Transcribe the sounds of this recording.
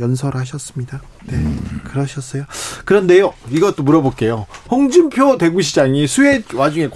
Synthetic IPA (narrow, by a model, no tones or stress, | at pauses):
jʌnsʰʌɾɯɭɦaɕ̬ʰʌs͈ɯmɲida | ne̞kɯɾʌɕʰʌs͈ʌjokɯɾʌnde̞joiɡʌt͈omuɾʌbok͈e̞johʌŋd͡ʑimpʰjode̞ɡuɕʰid͡ʑaŋisʰue̞wad͡ʑuŋe̞k